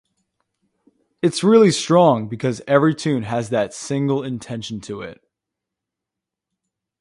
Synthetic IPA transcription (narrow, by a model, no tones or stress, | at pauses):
ɨtsɹɪlˠistɹ̥ɔ̃ŋbɨkʰʌzɛvɹitʰʉ̃nɨzðɨtsɪ̃ŋɡl̩ˠɪ̃ntʰɛ̃nʃn̩tʰɨɪ̰t̚